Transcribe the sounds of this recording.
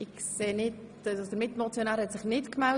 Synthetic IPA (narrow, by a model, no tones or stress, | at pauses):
ɪkseːnɪt | od̪əɾmɪtmɔt͡sjonaːɾhɛtsɪχnɪtkmɛl